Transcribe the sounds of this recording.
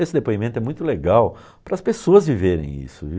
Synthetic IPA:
esɪd̪epoimẽt̪ʊɛmũj̃t̪ʊleɡaw | pɾɐspesoɐzviveɾḛ̃j̃ḭsʊvi

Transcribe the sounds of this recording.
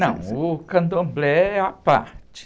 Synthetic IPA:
aŋukand̪umblɛaʔpa̰t͡ʃ

